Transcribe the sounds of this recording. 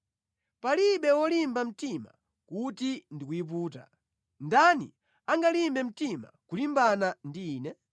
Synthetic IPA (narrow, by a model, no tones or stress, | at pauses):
paliɓɛwɔlimbam̩tima̰ | kutindikuip̬uːta̰ | ndanḭ | aŋɡalimbɛm̩tima̰kulimbanandiːnɛ